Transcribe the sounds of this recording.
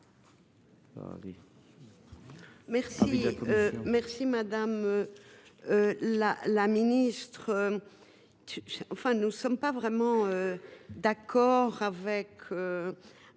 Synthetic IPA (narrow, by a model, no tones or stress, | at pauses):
a̰ʁi | mɛʁsiømɛʁsimad̪amø | ølalaminist̪χø | t̪yɑ̃fɛ̃nusɔmpavʁɛmɑ̃ød̪akʰɔʁavɛkʰø